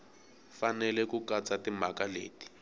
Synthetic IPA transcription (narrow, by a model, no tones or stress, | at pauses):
fanɛlɛkukat͡sʼatimakalḛːti̥